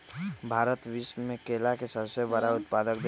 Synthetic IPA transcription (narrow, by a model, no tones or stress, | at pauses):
bʱaːɾət̪ʋismẽkeːlakesəbsebəɾaʊt̪paːd̪ək̚d̪